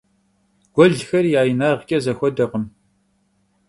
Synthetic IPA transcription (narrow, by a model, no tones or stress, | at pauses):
ɡ̥ʷɔɮxɐrjaːjnaːʁkʲʼɐzɐxʷɔdɐʁəm